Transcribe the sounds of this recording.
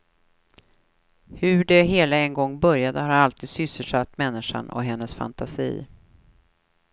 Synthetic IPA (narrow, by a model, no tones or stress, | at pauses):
hɵɖɛɦeːlaɛnɡɔŋːbœɾjad̪əhaɾɾalt̪ʰiːd̪sʏsːəlʂat̪ːmɛnːɪʂa̰nɔ̰ɦɛnːəsfa̰nt̪ʰasḭː